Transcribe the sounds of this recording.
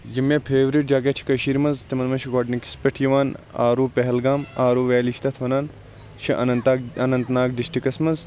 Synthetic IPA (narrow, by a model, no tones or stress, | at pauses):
jimepʰeːʋɾiʈ̚d͡ʒaːkʲet͡ʃʰi̥kɐʃiːɾmɐnzt̪imɐnmɐnʃiɡoʈniki̥speʈʰjiʋaːna̰ːɾuːpeɦɐlɡaːmaːɾuːʋeːliʃt̪ɐt̪ʰʋɐnaːn | ʃɐʔɐnɐt̪ɐnɐnt̪naːk̚d̪iʃʈikɐsmɐz